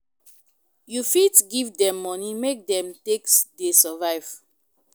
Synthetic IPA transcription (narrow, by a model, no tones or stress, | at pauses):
jufitɡivdɛ̃mːɔnimek̚dɛ̃mteksdesəvaɪv̥